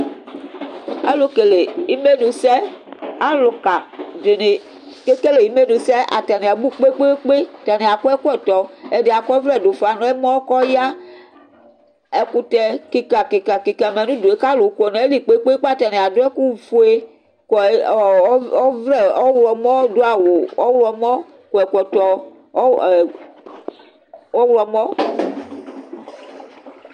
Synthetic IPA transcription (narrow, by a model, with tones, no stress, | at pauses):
ḛ˦lo˦ke˨le˨i˦me˦nũ˨sɛ˦a˦lo˨ka˨de˨ne˨ | ke˦ke˦le˨ji˦me˦nũ˨sɛ˦ʔa̰˨t̪a˨ne˨a˨bu˦k͡pe˦k͡pe˦k͡pe˦t̪a˨ne˨a˨ku˦ɛ˦ku˦ɛ˦˨t̪ɔ˨e˨de˨a˨kɔ˦vɾɛ˦˨do˨fa˨nɔ̃˦e˦mɔ̃˦kɔ˦ja˦ | ɛ˨ku˦t̪ɛ˨ki˦ka˨ke˨ka˨ki˨ka˨me˨nũ˦do˨e˦ka˦lo˨˦kɔ˨nɛ̃˨e˦li˨k͡pe˦k͡pe˦k͡pa˦t̪a˨nɛ˨a˨do˦ɛ˦ku˦vo˨˦e˦ | kɔ˨˦ | ɔ˦vɾɛ˦ɔ˦wlɔ˨mɔ̃˦do˦a˨wo˨ɔ˦wlɔ˨mɔ̃˦ | ko˨ɛ˨kʷɛ˨t̪ɔ˨˦˨ | wɔ˦wlɔ˨mɔ̃˦